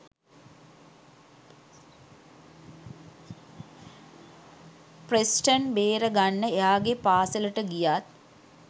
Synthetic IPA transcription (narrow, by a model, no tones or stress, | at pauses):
presʈənbeːɾəɡanːəeɦaːɡepaːsələʈəɡijat̪̚